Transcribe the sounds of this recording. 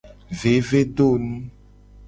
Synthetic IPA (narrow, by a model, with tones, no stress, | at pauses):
ve˨˦ve˦ɖo˦˨nũ˦